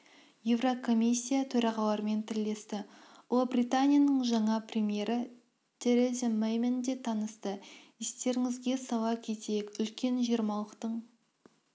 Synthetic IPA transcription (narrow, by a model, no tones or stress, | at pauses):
je̞vrokʰo̞mʲisʲːijat̪ʰɵɾɑʁɑw̪ˠɑɾme̞nt̪ʰɪɾle̞st̪ɪwolˠbɾʲijt̪anʲijanəɴʒɑɴɑprʲemʲije̞ɾɪ | t̪ʲʰe̞ɾezʲemejmend̪e̞t̪ʰɑnəst̪əɪst̪e̞ɾɪŋɪzɡʲe̞sɑwɑkʲʰe̞t̪ejɪkʏlkʲe̞nʒieɾmɑlˠəqt̪əɴ